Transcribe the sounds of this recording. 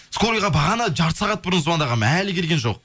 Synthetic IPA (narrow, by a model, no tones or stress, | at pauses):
skoɾijʁɑbɑʁɑnɑd͡ʒɑɾt̪sɑʁɑt̪̚bʊɾənzumɑnd̪ɑʁɑmælɪkʲʰe̞ɾɡʲe̞nʒo̞q̚